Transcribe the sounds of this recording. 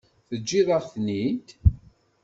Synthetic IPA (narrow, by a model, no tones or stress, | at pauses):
θəd͡ʒːiðˤəʁθnit̪